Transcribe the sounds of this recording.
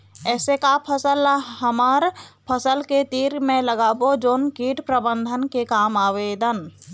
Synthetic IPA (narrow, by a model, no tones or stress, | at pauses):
ɛːsekapʰəsəlɦəmaːɾpʰəsəlket̪iːɾmẽləɡaːbod͡ʒoːnkiːʈpɾəbə̃nd̪ʱənkekaːmaːʋeːd̪ən